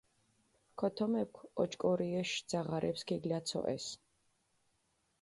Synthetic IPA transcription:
kʰɔt̪ʰɔmɛp̚kʷʰɔt͡ʃʼkʼɔɾiɛʃd̪z̥aʁaɾʔɛpskʰiɡlat̪sʰɔ̰ʔɛ̰s

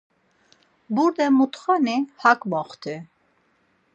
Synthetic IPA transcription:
buɾd̪ɛmut̪χanihakmɔχt̪ʰi

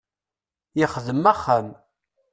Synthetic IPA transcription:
jɪχðəmːæχːəm

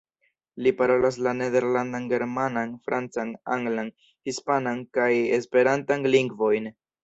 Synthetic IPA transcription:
lipaɾo̞las̬lane̞de̞ɾlandanɡe̞ɾmananfɾʔant͡sana̰ŋɡlan | hispanankaje̞spe̞ɾantanliŋɡvo̞jn

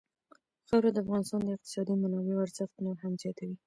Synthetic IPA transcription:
xawɾad̪əafɣɑnɪst̪ɑnd̪əɪq̚t̪ɪ̥sɑd̪imanɑweoaɾzəxt̪noɾhamzjɑt̪ʰawi

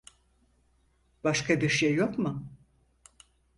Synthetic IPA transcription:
b̥aʃkʰabiɾʃjajokmʊ

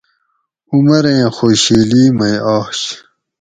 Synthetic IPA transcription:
umɐɾeẽxoːɕiːliːmɐjaːɕ

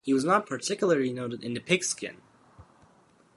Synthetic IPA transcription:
hiwʌznət̚pʰə˞tʰɪkjl̩ˠə˞lˠinoʊɾɨɾɨ̃nðɨpʰɪkskɪ̰̃n

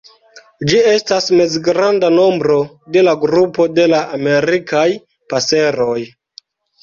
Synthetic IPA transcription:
d͡ʒie̞stasme̞zɡɾandano̞mbɾo̞ | de̞laɡɾupo̞de̞laʔame̞ɾikaj | pase̞ɾo̞j

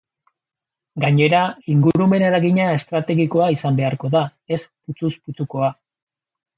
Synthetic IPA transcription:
ɡaɲe̞ɾaiŋɡuɾume̞ne̞ɾaɣiɲae̞st̪ɾat̪e̞ɣiko̞aisambe̞aɾko̞ðae̞sput͡susput͡suko̞a

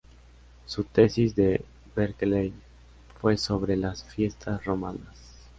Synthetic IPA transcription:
sut̪e̞sizd̪e | beɾklej | fwe̞so̞βɾe̞lasfje̞st̪ʰasro̞manas

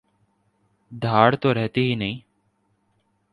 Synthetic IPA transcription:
d̪ʱaːɽt̪oɾɛɦt̪iɦinɐɦĩː

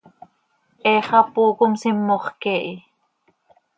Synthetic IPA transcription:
ʔeːχɑpuːkomsimːoχkɛːʔi

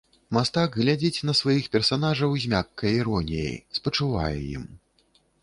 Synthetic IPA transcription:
mast̪aɡɣlʲad͡zʲit͡sʲnɐsvajixpʲɛrsanaʐɐwzʲmʲakːɐjiɾɔnʲijḛjspɐt͡ʂɨva̰jɛ̰jḭm

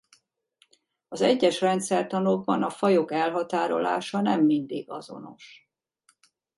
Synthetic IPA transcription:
ɒzɛɟːɛʃrɛnt̪sɛrt̪ɒnoɡ̚bɒnɒfɒjo̞kɛlɦɒt̪aːɾo̞̰la̰ːʃɒnɛmːind̪iːɡɒzo̞̰no̞̰ʃ

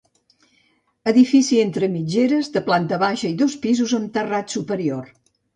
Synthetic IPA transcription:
əðifisient̪ɾəmid͡ʒeɾəzðəplant̪əβaʃəiðospizuzəmt̪ərat̪supəɾior

